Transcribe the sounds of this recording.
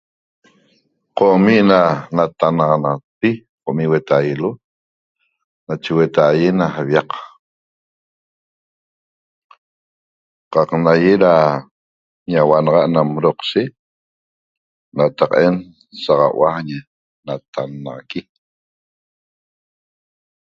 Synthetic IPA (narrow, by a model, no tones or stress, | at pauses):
qomiʔnanat̪anɑʁɑnɑt̚pi | qoʔmiʔwet̪ajlo | nat͡ʃewet̪ajenahaβjɑq | qɑqnajeɾa | ɲawanɑʁɑʔnamɾoqʃe | nat̪aqʔe̞n | saʁɑ̰waɲe | nat̪ʰanːɑʁaki